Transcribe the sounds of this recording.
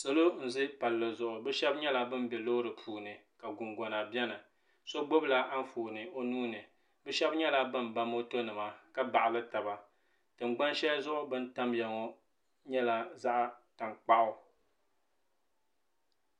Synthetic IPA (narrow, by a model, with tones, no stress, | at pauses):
so˦lo˦n̩˨zɨ˦pa˨lːɨ˨zʊ˨ʔʊ˨bɨ˦ʃɛ˦bɲɛ˦la˦bɨ˦m˦bɛ˨lo˦ɾɨ˨pʰuː˨nɨ˨ka˨ɡʊ˨ŋɡɔ˨na˨bɛ˦nɨ˨ | so˦ɡ͡bo˦bla˨ʔa˦n˦foː˨nɨ˨o˦nuː˦nɨ˨ | bɨ˦ʃɛ˦bɲɛ˦la˦bɨ˦m˨ba˦mo˦to˦nɨ˨ma˨ka˦ba˨ʔa˨lɨ˦ta˨ba˨ | tɨ˨ŋ͡mɡ͡ba˦nʃɛ˦zʊ˦ʔʊ˦bɨ˦n̩˦ta˦mjɛ˨ŋɔ˦ | ɲɛ˦la˨za˦ʔa˦ta˨ŋk͡pa˦ʔʊ˨